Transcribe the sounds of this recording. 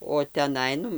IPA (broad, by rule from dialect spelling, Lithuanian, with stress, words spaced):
oː tʲɛˈnɐɪ ˈnʊ